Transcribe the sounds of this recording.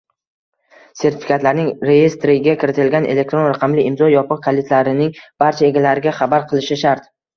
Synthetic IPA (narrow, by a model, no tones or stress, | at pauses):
se̞ɾt̪ʰɪfʲikʰat̪laɾnɪŋɾe̞je̞st̪ɾɪɡʲakʲʰɪɾɪt̪ʰɪlɡʲanʔḛle̞k̚t̪ɾo̞nɾaqʰɑmlɪʔɪmzɒjɒpɨqkʰalɪt̪laɾɪnɪŋb̥aɾt͡ʃʰae̞ɡʲalaɾɪɡʲaχabaɾqʰɨlˠɪʃɪʃaɾt̪